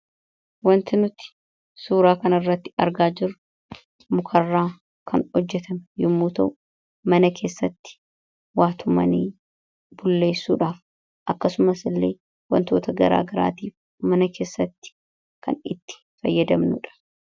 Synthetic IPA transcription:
wɐnt̪ɪnʊt̪ɪ̥ | suːɾaːkɐnɪrːɐt̪ːɪ̥ɐ̰ɾɡaːd͡ʒɪrːʊ | mʊkʰɐrːaː | kʰɐnhɔd͡ʒːɛt̪ɐmɛjʊmːuːt̪ɐʔʊ | mɐnɐke̞ːsːɐt̪ːɪ̥ | waːt̪ʰʊmɐ̰niː | bʊlːe̞ːsːuːᶑaːf | ʔɐkːɐsʊmɐsɪlːeː | wɐ̰nt̪o̞ːt̪ɐɡɐɾa̰ːɡɐɾa̰ːt̪iːf | mɐnɐkʰe̞ːsːɐt̪ːɪ̥ | kɐ̰nɪt̪ːɪ̥ | fɐjːɐd̪ɐmnʊ̰ᶑɐ̥

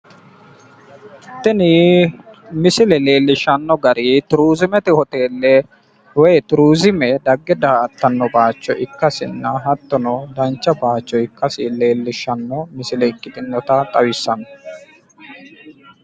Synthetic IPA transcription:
t̪ːɪnɪ | mɪsɪlɛle̞ːlːɪʃɐnːɔɡɐɾit̪ʊɾuːzɪmɛt̪ɪhɔt̪e̞ːlːɛ | wɛjt̪ʊɾuːzɪmɛd̪ɐɡːɛd̪aɐt̪ːɐnːɔbaːt͡ʃːɔʔɪkːɐsɪnːɐɦɐt̪ːɔnɔd̪ɐnt͡ʃːɐbaːt͡ʃːɔɪkːɐsɪle̞ːlːɪʃːɐnːɔmɪsɪlɛɪkʼːɪt̪ʼɪnːɔt̪ɐt̪ʼɐwɪsːɐnɔ̥

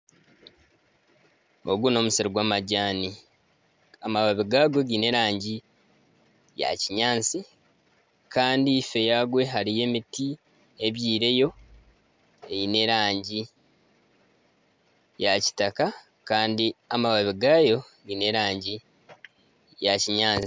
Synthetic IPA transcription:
o̞̰ɡuno̞musiɾoɡwaːmaɟaːni | amaβaβiɡaːɡo̞ɡine̞ɾaːɲɟi | ja̰ciɲaːnt͡si | kaːndife̞jaɡwe̞ɦaɾije̞miti | e̞βjiːɾe̞jo̞ | ejine̞ɾaːɲɟi | jaci̥taka | kaːndiamaβaβiɡaːjo̞ | ɡine̞ɾaːɲɟi | jaciɲaːi

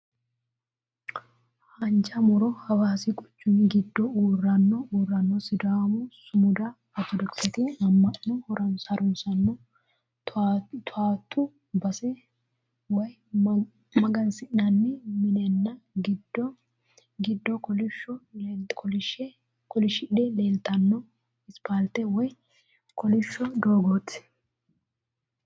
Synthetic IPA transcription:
hɐnd͡ʒɐmʊɾɔhɐwaːsiɡʼʊ̥t͡ʃːuːnɡɪd̪ːouːrɐnːouːrːɐnːosɪd̪aːmʊsʊmʊd̪a | ɐt̪ːɔd̪ɔksɛt̪iɐmːɐʔːɔhɔɾɐnsɐɾʊnsɐnːo | t̪ʰaːt̪ːu | bɐsɛ | wɐj | mɐɡɐnsɪʔnɐnːɛmɪnɛnːɐɡɪdɔ | ɡɪd̪ːɔkɔlɪʃɔkɔɪʃɛ | kɔlɪʃɪᶑɛleːlt̪ɐnːɔ | ɪspaːlt̪ɛwɔj | kɔlɪʃːɔd̪oːɡoːt̪ː

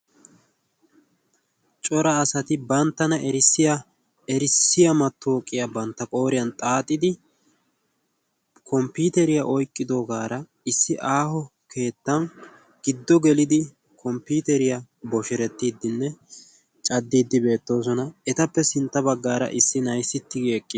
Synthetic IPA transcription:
t͡ʃʼɔɾɐːsɐt̪ɪbɐnt̪ːɐnɐʔɛɾɪsːɪjɐ | ɛɾɪsːɪjɐmɐt̪ːoːkʼːɪjabɐnt̪ːɐkʼo̞ːɾɪjɐnt̪ʼaːt̪ʼːɪd̪ɪ | kʰɔmpiːt̪ɛɾɪjaʔɔjkʼːɪd̪oːɡaːɾɐ | ɪsːɪʔaːhɔ | kʰe̞ːt̪ːɐn | ɡ̥ɪd̪ːɔɡɛlɪd̪ɪ | kʰɔmpuːt̪ɛɾɪja | bɔʃɪɾɛt̪ːiːd̪ːɪnːɛ | t͡ʃʼɐd̪ːiːd̪ːɪbe̞ːt̪ːo̞ːs̬ɔnɐɛt̪ɐpːɛsɪnt̪ːɐbɐɡːaːɾɐ̰ʔɪsːɪnɐjsːɪt̪ːɪɡːkʼːɪ

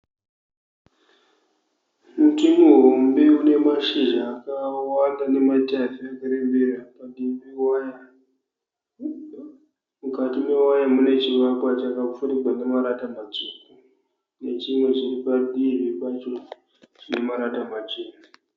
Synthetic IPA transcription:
mutimuɦombe̞une̞maʃiʒaːkawandane̞matafiakaɾembeɾapadibiwaja | mukatime̞wajamune̞t͡ʃiʋakwat͡ʃakap͡fuɾiɡwane̞maɾatamat͡suːku | ne̞t͡ʃimwe̞t͡ʃiripadibipat͡ʃo | t͡ʃine̞maɾatamat͡ʃeːna

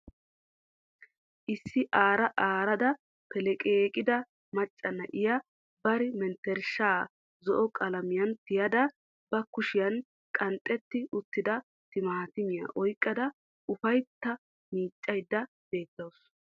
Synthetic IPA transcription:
ʔɪsːɪʔaːɾɐʔaːɾɐd̪ɐ | pɛlɛkʼeːkʼɪd̪ɐ | mɐt͡ʃʼːɐnːɐʔɪjɐ | bɐɾɪmɛnt̪ɛɾʃaː | zɔʔɔkʼɐlɐmɪjɐnt̪ɪjɐd̪ɐ | bɐkʊʃɪjɐn | kʼɐnt̪ʼːɛt̪ːɪʊt̪ːɪd̪ɐ | t̪ɪmaːt̪ɪmɪjɐ̰ʔɔjkʼːɐd̪ɐ | ʊfɐjt̪ːɐ | miːt͡ʃʼːɐjd̪ːɐ | b̥e̞ːt̪ːɐws

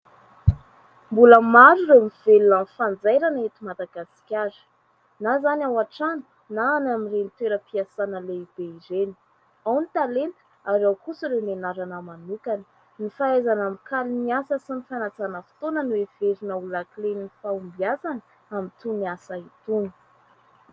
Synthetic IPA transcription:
mbuləmaɾurewmiv̥elunamifand͡zajɾanet̪imad̪aɡasi̥kʲaɾi̥ | nazanawaʈ͡ʂanə̥ | naːnamirenit̪weɾəpiasanəleib̥eizeni̥ | awnit̪alent̪ə̥ | aɾawkusiɾewnenaɾanəmanukanə̥ | nifaajzanamikaliniasəsinifanat͡sanəfi̥t̪onənuev̥eɾinəulaklenifaumbiazanə | amint̪uniasait̪unə̥

